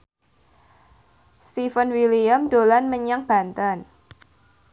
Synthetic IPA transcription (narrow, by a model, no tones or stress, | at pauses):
st̪ifənwiliamd̪̥olanməɲaŋb̥a̤nt̪an